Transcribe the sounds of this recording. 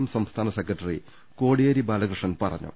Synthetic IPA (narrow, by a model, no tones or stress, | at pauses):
ɐmsɐmst̪ʰaːnɐsekːɐʈːɐrḭ | ko̞ːɽijɐɾibaːlɐkrɨʂɐnpɐrɐ̰ɲːṵ